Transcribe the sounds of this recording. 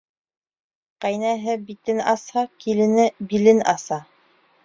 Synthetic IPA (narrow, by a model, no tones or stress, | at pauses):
qæjnæɦɘbit̪ɘnɑshɑkilɘ̆nɘbilɘnɑ̰sɑ